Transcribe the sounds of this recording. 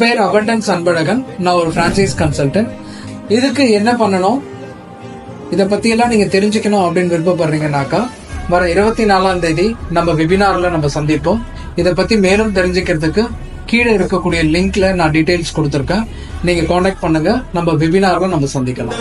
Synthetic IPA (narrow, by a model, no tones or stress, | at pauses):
peːɾɐʋɐɳɖɐnsɐnbɐɻɐɣɐnnãːɔɾɯfɾãːnt͡ʃɐɪskɐnsɐlʈɐ̃ɳʈ | ɪðɯkːɯɛnːɐpɐɳːɐɳʊ̃ː | ɪðɐpːɐt̪ːɪjɛlːãːniːŋɡɐt̪ɛɾɪɲd͡ʒɪkʲːɐɳʊ̃ɐpːɐɽɪnːʋɪɾɯpːɐp̬ːɐɾɾiːŋɡɐnaːkaː | ʋɐɾɐɪɾɯbɐt̪ːinaːlaːnd̪eːðinɐmːɐʋɪbɪnaːɾlɐ̃nɐmːɐsɐnd̪ɪpːõː | ɪðɐp̬ːɐt̪ːimeːlɯmt̪ɛɾɪɲd͡ʒɪkːɪɾɐðɯkːɯ | kiːɽɐɪɾɯkːɐkːuːɽɪjɐlɪŋklɐnãːɖɪʈːeɪlskɔɽɯt̪ːɯɾɯkːẽː | niːŋɡɐkoːnɛk̚ʈ̚pɐɳːɯŋɡɐnɐmːɐʋɪbɪnaːɾɐlɐ̃nɐmːɐsɐnd̪ɪkːɐlã̰ː